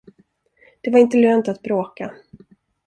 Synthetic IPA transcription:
d̪̥ɛvaɾɪnt̪əløːnt̪at̪̚bɾoːka

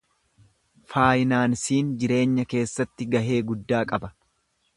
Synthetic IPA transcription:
faːjɪnaːnsiːnd͡ʒɪɾe̞ːɲːɐke̞ːsːɐt̪ːɪɡɐɦe̞ːɡʊd̪ːaːkʼɐbɐ̥

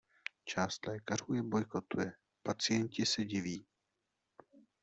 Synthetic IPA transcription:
t͡ʃaːst̪lɛːkaruːjɛbo̞jko̞t̪ujɛ | pat͡sɪjɛncɪsɛɟɪviː

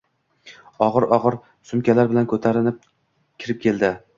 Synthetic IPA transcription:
ɒʁɨɾɒʁɨɾ | sʊmkʲʰalaɾbɪlankʰɵt̪ʰaɾɪnɪp̚ | kʲʰɪɾɪp̚kʲʰe̞ld̪ɪ

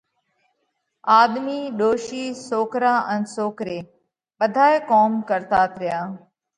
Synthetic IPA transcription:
aːd̪miːɗoːʃiːsoːkɾaːʔə̃nsoːkɾeː | ɓəd̪ʱaːjkoːmkəɾt̪aːt̪ʰɾɪjaː

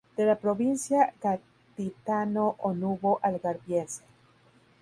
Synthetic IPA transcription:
d̪̥elapɾoβinsjaka | t̪it̪anoʔonuβoʔalɣaɾbjense̥

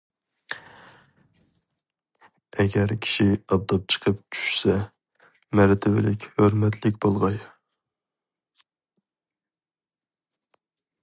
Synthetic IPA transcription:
ɛɡʲɛɾkʲʰi̥ʃiɑb̚d̪ɑp̚t͡ʃʰə̥qʰəp̚t͡ʃʰy̥ʃsɛ | mɛɾt̪ʰɪvɪlɪkʲhøɾmɛt̪ʰlɪkʲbolˠʁɑj

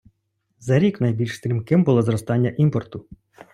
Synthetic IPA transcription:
zɐɾʲiknɐjbʲilʲʃst̪ɾʲimkɪmbʊlˠɔzɾɔst̪ɑnʲːɐʔimpɔrt̪ʊ

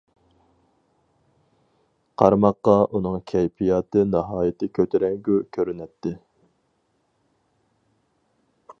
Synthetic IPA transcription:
qʰɑɾmɑqːɑʔunɨŋkʲʰɛjpʰijɑːt̪ɨnɑɦɑːjɪt̪ʰɪkʲʰøt̪ʰɪɾɛŋɡʲykʲʰøɾynɛt̪ʰːɪ

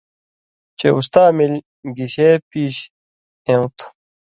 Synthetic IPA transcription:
t͡ɕeust̪aːmil | ɡiɕepiːɕ | ẽwt̪ʰ

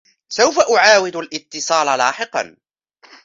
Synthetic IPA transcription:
sawfaʔʊʕaːwɪd̪alʔɪt̪ːɨsˤɑːlala̰ːħɪqɑ̰n

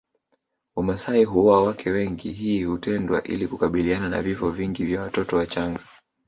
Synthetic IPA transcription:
amasaiɦuɔawakʰɛwɛŋɡiɦiːhutɛndwa̰ʔḭlikukaɓilianana̰vifɔviŋɡivjawatɔtɔwat͡ʃaŋɡa

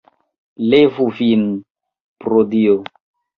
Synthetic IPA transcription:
levufin | pɾodio

